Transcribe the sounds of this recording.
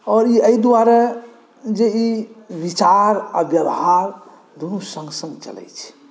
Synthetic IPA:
ɔɾiəid̪uaɾe | d͡ʒeibit͡ʃaɾa̰bjəbɦaɾ | d̪unusə̃ŋɡsə̃ŋɡt͡ʃə̰lɛ̰t͡ʃʰɛ̥

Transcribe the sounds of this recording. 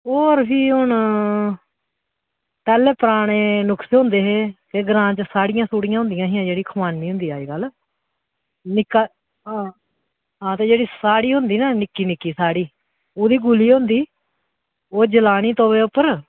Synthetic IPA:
oːɾbʱiːɦʊn | p̪ɛːleːpəɾaːɽeːnʊkseɦõnd̪eːɦeːkeɡɾãːt͡ʃsaːɽɪjãːsuːɽɪjãɦʊ̃nd̪ɪjãːɦijãːd͡ʒeːɽiːkʰəmaːnːiːɦʊ̃nd̪iːaːiːɡəl | nɪkːaː | ɦãː | ɦãːt̪eːd͡ʒeːɽiːsaːɽiːɦʊnd̪iːnaːnɪkːiːnɪkːiːsaːɽiː | oːd̪iːɡʊliːɦʊ̃nd̪iː | oːd͡ʒəlaːniːt̪õːʋeːʊpːəɾ

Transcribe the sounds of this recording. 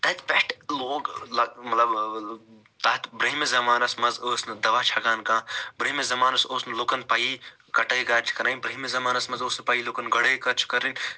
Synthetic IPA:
t̪ɐt̪peʈloːɡlɐmɐt̪lɐb | t̪aːt̪bɾɐɦimezɐmaːnɐsmɐzoːsnɨd̪ɐʋaːt͡ʃʰɐɡaːnkãːbɾɐɦimezɐmaːnɐsoːsnɨlokɐnpaːji | kɐʈɐːɡaːɾt͡ʃʰi̥kɐɾãːinbɾɐɦimezɐmaːnɐsmɐzoːspaːiːlokɐnɡɐɽeːkɐɾt͡ʃʰi̥kɐɾinʲ

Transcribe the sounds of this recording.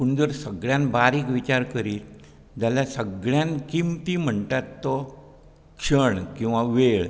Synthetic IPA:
puɳd͡zəɾsəɡɭjãnbaɾiːkʋit͡ɕaɾkəɾiːl | d͡ʑaljasəɡɭjãnkimt̪im̤əɳt̪at̪ːɔ | kʂəɳkĩw̃ʋaʋeɭ

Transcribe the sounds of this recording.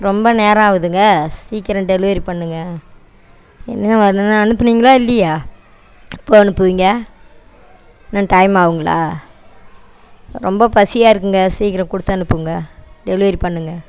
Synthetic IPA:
ɾɔmbɐneːɾɐ̃aːʋɯðɯŋɡɐsiːkːɪɾɐ̃ɖɛlɪʋɐɾipɐɳːɯŋɡɐ | ɛ̰nːɐnãɐnãɐnɯpːɐniːŋɡɐlãːɪlːɐjaː | ɪpːoːɐnɯpːɯʋiŋɡɐ | nãːʈɐɪmaːʋɯŋɡɐɭa̰ː | ɾɔmbɐpɐsɪjaːɪɾɯkːɯŋɡɐsiːkɪɾɐ̃kʊɽɯt̪ːɐ̃ɐnɯpːɯʋɯŋɡɐɖɛlɪʋɐɾipɐɳːɯŋɡɐ

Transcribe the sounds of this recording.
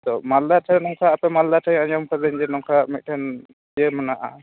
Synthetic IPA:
t̪ɔmald̪aʈʰɛnɔŋkʰaːpɛmald̪aʈʰajaɲɔmkʰad̪ɛɲd͡ʒɛnɔŋkʰamit̪̚ˀʈʰɛn | d͡ʒɛmanaʔa

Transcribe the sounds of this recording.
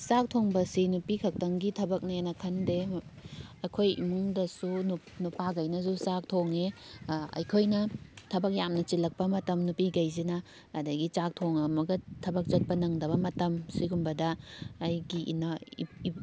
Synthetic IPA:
sak̚tʰoŋbɐsinupikʰɐk̚tɐŋɡitʰɐbɐk̚nɐjenɐkʰɐnde | ɐkʰojḭmuŋdɐsununupaɡɐjnɐzusak̚tʰoŋeɐ̰jkʰojnɐtʰɐbɐk̚jamnɐt͡ʃilɐk̚pɐmɐtɐmnupiɡɐjzinɐː | dɐɡit͡ʃak̚tʰoŋɐmɐɡɐtʰɐbɐk̚t͡ʃɐt̚pɐnɐŋdɐβɐmɐtɐmsiɡumbɐdɐːjɡiʔḭna

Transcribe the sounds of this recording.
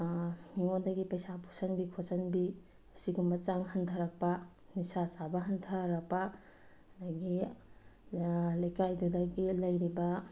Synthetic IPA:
niŋondɐɡipɐjsapʰo̥sɐnbikʰosɐnbi | ɐsiɡumbɐt͡ʃaŋɦɐntʰɐɾɐk̚pɐ | nisasabɐɦɐntʰɐɾɐk̚pɐ | daɡi | lɐjkajdudɐɡilɐjɾibɐ

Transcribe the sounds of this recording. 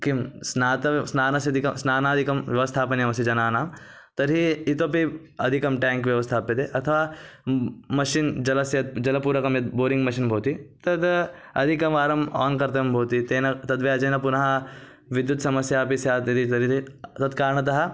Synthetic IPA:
kimsnaːt̪ɐsnaːnɐsɐd̪ʱikɐsnaːnaːɐd̪ʱikɐmʋjɐʋɐst̪ʰaːpɐnjɐmɐsid͡ʒɐnaːnaːm | t̪ɐɾiit̪opi | ɐd̪ʱikɐmʈɛːŋkʋjɐʋɐst̪ʰaːpit̪eʔɐt̪ʰɐʋaː | mɐʃind͡ʒɐlɐsjɐt̪̚d͡ʒɐlɐpuːɾɐkɐmjɐd̪boːɾĩŋɡmɐʃinbʱoːt̪it̪ɐd̪ | ɐd̪ʱikɐmʋaːɾɐmɔ̰ːnkɐɾt̪ɐɐmbʱoːt̪it̪eːnɐt̪ɐd̪ʋeɐd͡ʒɐːnɐpunɐɦa | ʋid̪jut̪sɐmɐsjaːpisjaːt̪id̪it̪ɐɾit̪it̪ɐt̪kaːɾɳ̃ɐt̪̬ɐɦɐ

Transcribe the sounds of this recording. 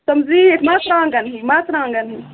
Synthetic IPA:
sɐmziːekmaːsɾãːŋɡɐnɦimaːsɾãːŋɡɐnɦi

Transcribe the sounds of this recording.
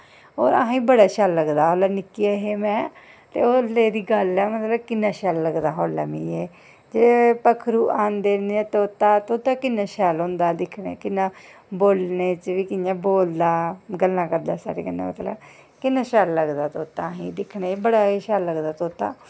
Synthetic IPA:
oːɾa̰ːɦãːĩːbəɽaːʃaːlːəɡd̪aːɦoːlaːnɪkiaɦeːmɛ̃ː | t̪ḛːoːleːd̪iːɡəlɛːmət̪ləbkɪnːãːʃɛːlːəɡd̪aːɦoːla̰ːmĩːeː | d͡ʒeːpəkʰɾuːʔaːnd̪eːnd̪eɛːt̪oːt̪ːaːt̪oːt̪ãːkɪnːãːʃɛːlõːnd̪aːd̪ɪkʰnḛːkɪnːaːboːlneːt͡ʃʋiːkɪnjãːboːld̪aːɡəlːãːkəɾd̪aːsa̰ːɾḛːɡənːa̰ːmə̰t̪lə̰b | kɪnːãːʃɛːlːəɡd̪aːt̪oːt̪ːãːɦĩːd̪ɪkʰneːbəɽaːiːʃaːlːəɡd̪aːt̪oːt̪ːa̰ː

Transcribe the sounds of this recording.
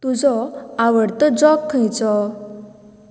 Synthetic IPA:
t̪ud͡zɔaʋəɽt̪ɔd͡zɔkʰːə̃jt͡sɔ

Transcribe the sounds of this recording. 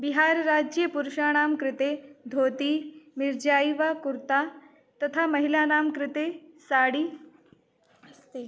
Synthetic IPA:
bɪɦaːɾɾaːd͡ʒjəpuɾʃaːnaːmkɾɪt̪eːd̪ʱoːt̪imɪɾd͡ʒaːiʋakʊɾt̪a | t̪ɐt̪ʰamɐɦilaːnaːmkɾɪt̪esaːɽiː

